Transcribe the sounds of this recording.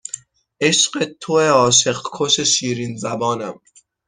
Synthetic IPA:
ʔeʃɢet̪ʰoeɒːʃe̞ɢkʰoʃe̞ʃiːɾinzæbɒːnæm

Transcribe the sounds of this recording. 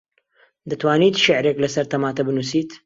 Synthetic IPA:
d̪ɨt̪waːniːt̪ʃɪʕɾeklɐsɐɾt̪ɐmaːt̪ɐbɨnusiːt̪

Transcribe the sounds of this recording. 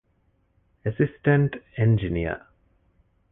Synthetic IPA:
əsisʈə̃ɳʈẽnd͡ʒiniə̰

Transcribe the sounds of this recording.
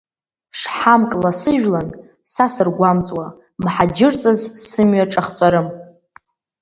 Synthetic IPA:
ʂħamkʼlasɨʒᶣlan | sasɨrɡʷamt͡sʼwa | mħad͡ʒɪrt͡sʼɨzsɨmɥaʈ͡ʂʼaχt͡sʼaɾɨm

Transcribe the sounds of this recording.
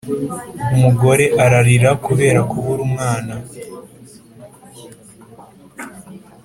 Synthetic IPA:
umuɡo̞ɾe̞ʔaɾaɾiɾakuβe̞ːɾakuβuɾumŋaːna

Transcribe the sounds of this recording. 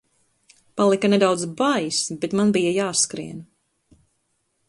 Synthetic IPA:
palˠikɐnɛd̪awd̪zbajisbet̪manbijajaːskɾḭɛn

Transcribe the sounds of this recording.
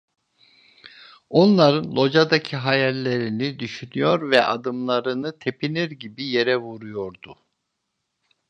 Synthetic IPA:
o̞nlˠaɾɯnlˠo̞d͡ʒad̪acʰiɦajɛlʲlːʲe̞ɾinid̪yʃynyjo̞ɾvɛʔad̪ɯmlˠaɾɯnɯt̪ʰe̞pʰiniɾɟibije̞ɾɛvuɾujo̞ɾd̪ʊ

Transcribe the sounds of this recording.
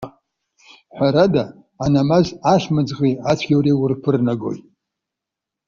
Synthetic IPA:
ħʷaɾadaː | namazaʂmɨd͡zʁiat͡ɕʷʰɡʲawɾiwʊrpʰɨrnaɡo̞̰jtʼ

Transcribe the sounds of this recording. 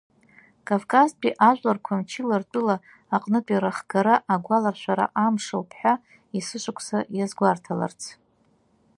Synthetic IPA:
kʼavkʼazpʰʼiʔaʒʷlarkʷʰamt͡ʃʰilartʷʼɨlaː | qʼnɨpʼiɾaχɡaɾaʔaɡʷalarʃʷᶣaɾa̰ʔamʂowpʰħʷᶣa | isɨʃʷʊkʷʰʼsajazɡʷartʰala̰rt͡sʰ

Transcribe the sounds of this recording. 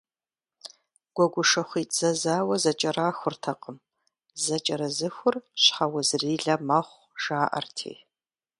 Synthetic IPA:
ɡ̥ʷɔɡʷʊʂɐχʷiːtʼzɐzaːwɐzɐt͡ʃʼɐɾaːxʷʊrtʰɐqʼəm | zɐt͡ʃʼɐɾɐzɨxʷʊrɕħawɐzriːɮɐmɐχʷ | ʒ̥aːʔɐ̰rtʰḛː

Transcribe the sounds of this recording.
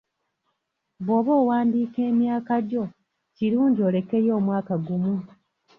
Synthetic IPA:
βo̞ːβo̞ːwaːndiːke̞ːmjaːkaɟo̞ | ciɾuːɲɟio̞ːle̞ke̞jo̞ːmwaːkaɡumu

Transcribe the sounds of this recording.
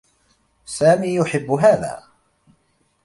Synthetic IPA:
saːmiːjʊħɪbːʊɦaːða̰ː

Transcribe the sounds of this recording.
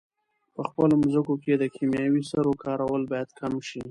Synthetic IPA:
pəxpəlomzəkoked̪əkʰimjɑwisaɾokɑɾawəlbɑjad̪kʰamʃi

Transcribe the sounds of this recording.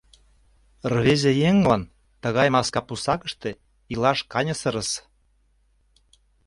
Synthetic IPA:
rβezejeŋlɑn | t̪ə̆ɣɑjmɑskɑpusɑkə̆ʃt̪e | ilɑʃkɑnʲəsəɾə̆s

